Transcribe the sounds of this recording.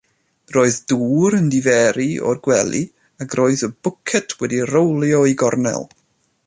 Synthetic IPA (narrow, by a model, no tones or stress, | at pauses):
roːɨðduːɾəndivɛɾiɔ̰rɡwɛlˠḭ | aɡroːɨðəbʊkʰɛtʰwɛdirowlˠjɔiɡɔrnɛ̰lˠ